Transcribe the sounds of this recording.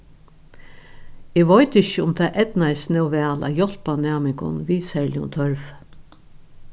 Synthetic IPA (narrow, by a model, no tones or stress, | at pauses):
ɪːʋɔʏt̪ɪçəʊmt̪ʰaːʔɛt̪naɪsnɛwʋɛːla̰ːjɔl̥panæːmɪŋkʊ̰nʋiːsɛlɪʊ̰nt̪ʰœɹf